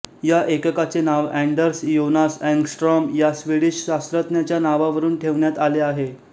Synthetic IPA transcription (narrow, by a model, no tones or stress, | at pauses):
jaʔekəkat͡senaʋæɳɖəɾsjonasɛ̃ŋɡsʈɾɔmjasʋiɽiɕɕast̪ɾət̪njat͡ɕjanaʋaʋəɾuːnʈʰeʋɳjat̪aleaɦe